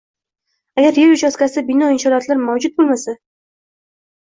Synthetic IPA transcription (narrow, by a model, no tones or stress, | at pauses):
aɡʲaɾjeɾuʃaskʲasɪbɪnɒɪnʃɒɾat̪laɾmawd͡ʒʊt̪̚bolˠmasa